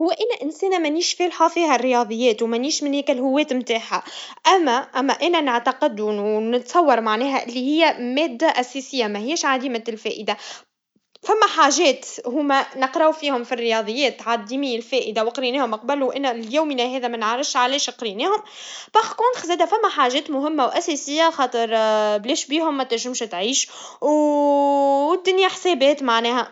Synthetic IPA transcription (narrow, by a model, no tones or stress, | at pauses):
hʊwːæʔænæʔɪnsɛːnæmæniːʃfɛːlħafiːhærːɪjɑd̪ˤɨjːɛːt̪wmæniːʃmɪnhɛːkælɦʊwːɛːt̪mt̪aːħaʔæmːæʔæmːæʔæːnænaʕt̪ɑqɪd̪uwnɪt̪sˤɑwːɑɾˤmaʕnɛːɦæʔɪlːihɪjːæmɛːd̪ːæʔæsɛsɪjːamæhɪjːæʃʕad̪iːmælfɛːʔəd̪a | fæmːæħaːʒɛːt̪huːmænəqɾˤɑwfiːhʊmfirːɪjɑːd̪ˤɨjːɛːt̪ːʕad̪iːmilfɛːʔəd̪awqɾinɛːhʊmɑq̚bæluʔɪnːljæwminæɦɛːðæmænʕaɾˤɪʃʕalɛːʃqɾinɛːhʊmbɑxkʊnxzɛːd̪æfæmːæħaːʒɛːt̪mʊɦɪmːawʔæsɛsɪjːaxɑːt̪ˤɨɾˤblɛːʃbiːhʊmːæt̪æʒɪmʃt̪ʕiːʃ | w | d̪ːʊnjaħsɛːbɛːt̪maʕnɛːɦæ